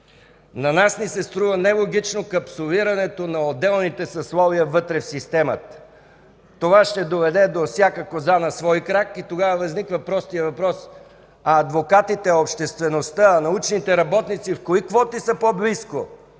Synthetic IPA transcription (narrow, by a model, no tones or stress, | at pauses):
nɐnasnisɛst̪ɾuvənɛlˠoɡit͡ʃnokɐpsoliɾɐnɛt̪onɐod̪ɛlˠnit̪ɛsɐslˠɔviəvɤt̪ɾɛfsist̪ɛmət̪ | t̪ːovaʃt̪ɛd̪ovɛd̪ɛd̪ofsʲjakəkozanɐsvɔjkɾakit̪oɡavəvɐznikvɐpɾɔst̪ijəvɐpɾɔs | ɐːd̪vokat̪it̪ɛopʃt̪ɛst̪vɛnost̪aːnɐut͡ʃnit̪ɛɾɐbɔt̪nit̪sifkoikvɔt̪isəpoblisko